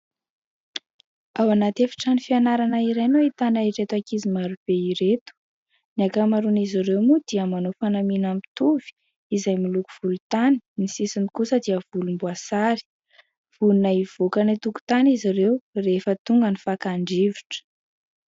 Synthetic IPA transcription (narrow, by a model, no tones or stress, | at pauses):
awanat̪efi̥ʈ͡ʂanifianaɾanaiɾenoit̪anaiɾet̪akizimaɾub̥eiɾet̪u̥ | niakamaɾuniziɾewmud̪̥iəmanofanaminamit̪uv̥i̥ | izajmilukuv̥ulut̪ani̥nisisinikusəd̪iəv̥ulumbuasaɾi̥ | v̥ulunaiv̥okanit̪uku̥t̪aniziɾewrefət̪uŋɡənifakaɳɖ͡ʐiviʈ͡ʂə̥